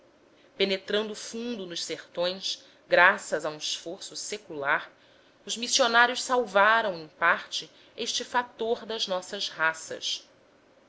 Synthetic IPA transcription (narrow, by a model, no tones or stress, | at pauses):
penet̪ɾɐ̃nd̪ʊːfũnd̪ʊnʊʃseχt̪õj̃s | ɡɾasɐzaũiʃfoɾsʊsekulaɾ | ʊzmisionaɾjʊʃsawvaɾɐ̃w̃ẽj̃paɾt͡ʃɪ | eʃt͡ʃɪfat̪oɾd̪ɐznɔsɐzɦasɐ̰s